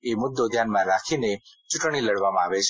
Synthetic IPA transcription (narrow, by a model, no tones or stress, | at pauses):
emʊd̪ːod̪ʱjanmãɾakʰinet͡ʃʊʈɽ̃iləɽʋamãaʋet͡ʃʰ